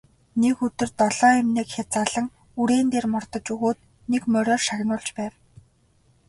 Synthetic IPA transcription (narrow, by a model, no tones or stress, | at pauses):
nekɵt̪ɵ̆rt̪ɔɮ̥ɔːæmneːkxʲat͡saɮə̆ŋ | uɾeːnt̪eːrmɔrt̪ɞ̆t͡ɕuɣoːt̪̚ | nekmœɾʲɔːrʃaɣnʊːɮt͡ɕpæːw